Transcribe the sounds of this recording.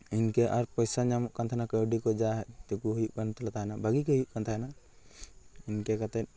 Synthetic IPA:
inkeʔaɾpɔjsaɲamɔʔkant̪ʰanakəwɖikɔd͡ʒaɦɛt̪ekuɦujuʔkant̪lat̪aɦɛnabʱaɡikeɦujuʔkant̪ʰaɦɛna | inkekat̪ɛ

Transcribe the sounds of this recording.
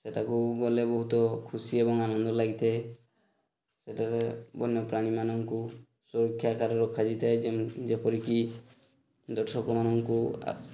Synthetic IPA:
seʈakuɡɔlebɔɦut̪ɔkʰusiebɔŋanɔnd̪ɔlaɡit̪ʰa | seʈaɾebɔnjɔpɾaɽ̃imanɔŋku | suɾɔkʰjakaɾɔɾɔkʰad͡ʒit̪ʰaed͡ʒepɔɾiki | d̪ɔʈʰɔkɔmanɔŋkṵ

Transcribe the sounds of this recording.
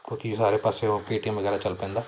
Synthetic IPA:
t̪oːkisaːɾeːpaːseopiːʈimʋəɡɛːɾaːt͡ʃəlpɛ̃ːnd̪aː

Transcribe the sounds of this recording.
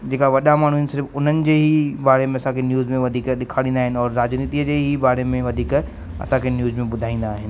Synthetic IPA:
d͡ʑeːkaʋɐɗamaːɳ̤uɦɪnɪsɪɾfʊn̤ənɪ̆d͡ʑeːɦibaːɾemẽɐsãkʰenjuːzmẽʋɐd̪ʱiːkɗɪkʰaːɽĩːnd̪aːɦɪnɪ̆ɔːɾːaːd͡ʑniːt̪iːəd͡ʑeːɦibaːɾemẽʋɐd̪ʱiːk | ɐ̰sãkʰenjuːzmẽɓʊd̪ʱaːĩːnd̪aːɦɪnɪ̆

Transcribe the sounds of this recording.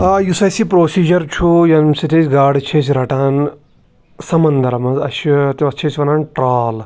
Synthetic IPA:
aːjusɐsipɾoːsiːd͡ʒɐɾt͡ʃʰujɐnsit̪ʰesɡaːɖt͡ʃʰeːs̬ɾɐʈaːn | sɐmɐnd̪ɐɾɐmɐzɐ̰ʃit̪iɐt͡ʃʰesʋɐnaːnʈɾaːl

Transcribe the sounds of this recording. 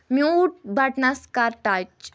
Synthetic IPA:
mjuʈ̚bʱaʈnaskaɾʈat͡ʃ

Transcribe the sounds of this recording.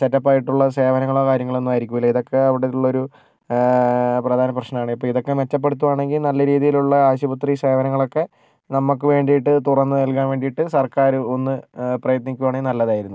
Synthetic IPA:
t͡ɕɐtːɐpːaːjiʈːuɭːɐse̞ːʋɐnɐŋːɐɭo̞ːkaːɾjɐŋːɐɭo̞nːumaːjiɾikʲːumilːɐiðo̞kːe̞ɐʋiɽet̪ːuɭːɐo̞ɾu | prɐd̪ʱaːnɐprɐɕnɐnaːɳɨipːoɭiðo̞kːe̞met͡ɕːɐp̬ːe̞ɽut̪ːuʋaːɳe̞ŋɡilnɐlːɐɾiːðijiluɭːɐaːɕubɐt̪rise̞ːʋɐnɐŋːɐɭo̞kːe̞ | nɐmːukːɨʋe̞ːɳɖijiʈːɨt̪urɐnːɨnɐlk̬aːnʋe̞ːɳɖijiʈːɨsɐrkaːɾuo̞nːɨprɐjɐt̪nikʲːuʋaːɳenɐlːɐðaːjiɾunːu

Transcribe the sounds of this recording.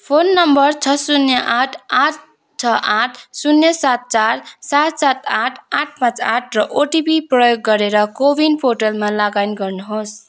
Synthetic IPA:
pʰonːʌmbʌrt͡sʰʌsunjʌʔaʈʰaʈʰ | t͡sʰʌʔaʈʰsunjʌsat̪̚t͡sarsat̪sat̪aʈʰaʈ̚ʰpãt͡saʈʰrʌʔoʈibiprʌjoɡːʌɾeɾʌkobʱinpʰoʈʌlmalaɡajniɡʌrnuɦos

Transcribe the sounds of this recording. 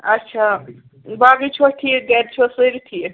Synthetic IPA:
ɐtːʃʰa | babit͡ʃʰoʈʰijeɡɛdt͡ʃʰosəɾʈʰije

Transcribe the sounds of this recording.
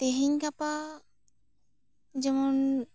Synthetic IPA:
t̪eɦiɲkapa | d͡ʒɛmɔn

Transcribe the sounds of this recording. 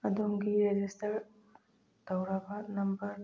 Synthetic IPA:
ɐdoŋɡiɾed͡ʒistɐɾ | tɐwɾɐbɐnɐmbɐɾ

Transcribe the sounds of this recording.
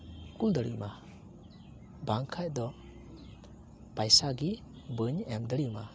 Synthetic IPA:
kuld̪əɽɯ̰ma | baŋkʰajd̪ɔ | pajsaɡi | bəɲɛmd̪əɽɯma̰

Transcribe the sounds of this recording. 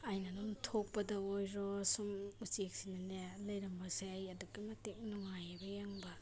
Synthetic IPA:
ajnɐnumtʰok̚pɐdɐojɾɔsumut͡ʃek̚sinanelɐjɾɐmbɐseajɐduɡimɐtek̚nuŋajabɐjaŋbɐ

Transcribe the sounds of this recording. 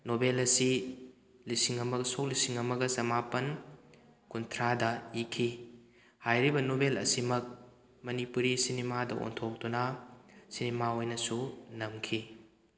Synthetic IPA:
nobelɐsi | lisiŋɐmɐksok̚lisiŋɐmɐɡɐsɐmapɐn | kuntʰɾadɐikʰi | hajɾibɐnobelɐ̰simɐk̚ | mɐnipuɾisinemadɐʔo̰ntʰok̚d̥unɐsinemaojnɐsunɐmkʰi

